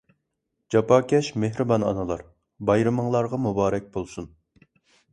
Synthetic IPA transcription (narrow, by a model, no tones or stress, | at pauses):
d͡ʒɑpɑːkʲʰɛʃmeɦɾɨbɑnɑ̰nɨlˠɑɾ | bɑjɾɨməŋlˠɑɾʁɑmubɑːɾɛk̚ʲbolˠsun